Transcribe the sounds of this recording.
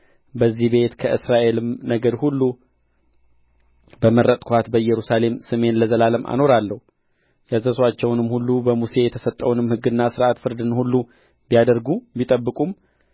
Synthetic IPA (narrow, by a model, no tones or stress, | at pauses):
bəzːihbe̞t̪kʰəʔɨsɾaʔe̞lɨmnəɡəɾhulːu | bəməɾət̪ʼkʰʷat̪bəjɛɾusale̞msɨme̞nləzəlaləmʔa̰no̞ɾalːəhu | jazəswat͡ʃːɛwnɨmhulːubəmuse̞jɛt̪ʰəsət̪ʼːəwunɨmhɨɡɨnːasɨɾʔat̪fɨɾd̪ɨnhulːu | bijad̪əɾɡubit̪ʼəbːɨkʼum